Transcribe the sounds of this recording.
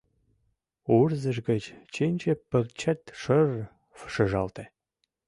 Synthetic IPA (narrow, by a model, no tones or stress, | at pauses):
urzə̆ʃɡə̆t͡ɕt͡ɕenʲt͡ɕepə̆kt͡ɕʰət̪ʃər | fə̥ʃə̆ʒɑlt̪e